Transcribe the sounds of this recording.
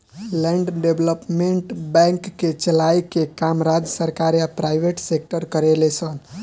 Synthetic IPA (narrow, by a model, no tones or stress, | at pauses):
lɛ̃ɳɖɖebləpmeɳʈbɛ̃ŋkːet͡ʃəlajikekamɾad͡ʒəsəɾkaɾjapɾajʋʱeʈsek̚ʈəɾkəɾelesʰən